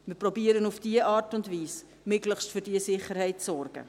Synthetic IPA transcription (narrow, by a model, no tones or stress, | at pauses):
mɪprɔbiːəɾənufd̥iːəʔɑːɾtʊndviːs | mʏkləχʃtfʏːɾdiːəsɪχəɾhɛɪtt͡sɔrɡ̥ə̰